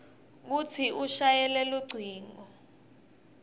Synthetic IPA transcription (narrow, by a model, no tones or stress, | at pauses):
k̬ut͡sʰiuʃajɛlɛluɡ͡ǀʱiːŋɔ